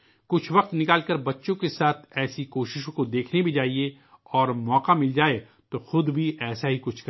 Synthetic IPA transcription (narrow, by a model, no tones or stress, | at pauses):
kʊt͡ʃʰʋɐqt̪nɪkaːlkɐɾbɐtːʃõkesaːt̪ʰɛːsikoːʃɪʃõkod̪eːkʰnebʱid͡ʒaːɦie | ɔːɾmɔːqamɪld͡ʒaːe | t̪oxʊd̪bʱiɛːsaɦikʊt͡ʃʰkɐ